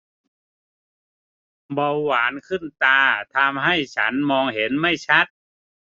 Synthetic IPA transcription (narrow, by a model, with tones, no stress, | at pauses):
bɔ˧wwaː˩˦nkʰɯ˥˩nt̪aː˧t̪ʰa˧mɦa˥˩jt͡ɕʰa˦˥nmɔː˧ŋhe˨˩˦nma˥˩jt͡ɕʰa˦˥t̪̚